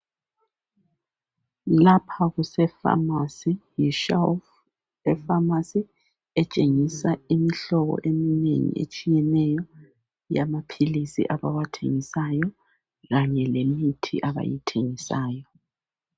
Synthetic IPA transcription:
lapʰaɣusɛfa̰masijiʃaf | ɛfamasi | ɛt͡ʃʼeŋisaimiɬɔɣɔ̰ʔeminḛŋḭʔḛt͡ʃʼijɛnɛjɔ | jamapʰilisḭʔaβawatʰḛŋisajɔ | ɣaɲɛlemitʰḭʔaβa̰jitʰeŋisaːjɔ

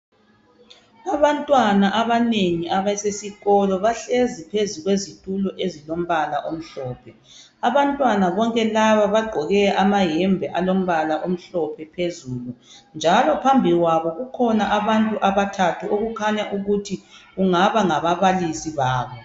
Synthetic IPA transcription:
aβantʼwanaʔaβaneŋiʔaβasesiɣɔlɔβaɬezipʰezuɣwezitʼulɔʔezilom̩βalaʔom̩ɬɔːpʰɛ | aβantʼwanaβɔŋkʼɛlaβaβaɡ͡ǃʱɔɣɛʔamajɛmbʱɛʔalom̩βalaʔom̩ɬɔpʰɛpʰezuːlund͡ʒʱalɔpʰambʱiɣwaβɔɣukʰɔnaʔaβantʼuʔaβatʰatʰuʔoɣukʰaɲaʔuɣutʰiɣuŋaβaŋaβaβalisiβaːβɔ

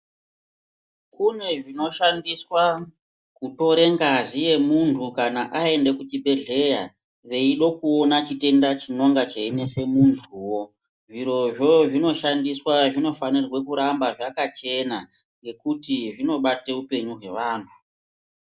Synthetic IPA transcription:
kune̞ʐino̞ʃandiswa | kuto̞ɾe̞ŋɡazije̞muntʰukanaʔae̞nde̞kut͡ʃibʱe̞ɮe̞ja̰ | ʋe̞iɗo̞kuonat͡ʃite̞ndat͡ʃino̞ŋɡat͡ʃeine̞se̞muntʰuwo̞ | ʐiɾo̞ʐo̞ʐino̞ʃandiswaʐino̞fanirwe̞kuɾambaʐakat͡ʃe̞na | ŋɡe̞kutiʐino̞ɓateupe̞ɲuɦwe̞ʋaːntʰu̥

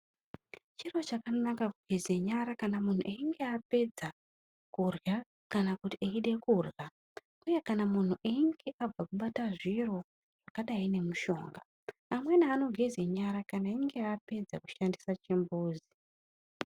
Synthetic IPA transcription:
t͡ʃiro̞t͡ʃakanakakuɡʱezeɲaɾakanamun̤ṵʔeiŋɡe̞ape̞d͡za | kurja | kanakutieiɗe̞kurja | uje̞kanamun̤uʔeŋɡeʔab͡vakuɓataʐiro̞ | ʐ̥akaɗaine̞muʃo̞̰ːŋɡaː | mwe̞naːno̞ɡʱe̞zeɲaɾakanaeŋɡe̞ape̞d͡zaku̥ʃandisat͡ʃimbuːzi

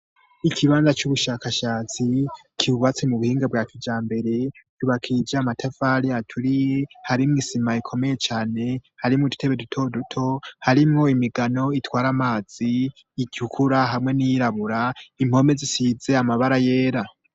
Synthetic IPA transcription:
ikʰiβaːnzat͡ʃuβuʃaːkaʃaːt͡si | kʰiβuβat͡semuβuhiːŋɡabwaːkid͡ʒaːmbe̞ɾe̞tuβakʰiid͡ʒaːmatʰafaɾiatʰuɾije̞haɾimŋiːsimaikʰo̞me̞je̞t͡ʃaːne̞haɾimŋodute̞βe̞dutʰo̞dutʰo̞haɾimŋo̞imiɡano̞itwaːɾamaːz̥iː | ɟ̥ukʰuɾaɦamŋe̞nijiɾaβuɾaim̥ho̞me̞zisize̞amaβaɾaje̞ːɾa

